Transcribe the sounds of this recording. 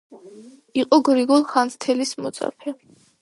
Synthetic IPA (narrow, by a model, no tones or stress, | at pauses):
iqʼɔɡɾiɡulˠχanst̪ʰɛlismɔt̪sʼa̰pʰɛ